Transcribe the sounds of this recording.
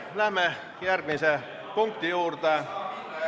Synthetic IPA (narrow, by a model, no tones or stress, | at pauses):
læhmæ | jærʋinsæ | puŋk̚t̪ijuːrt̪ɑ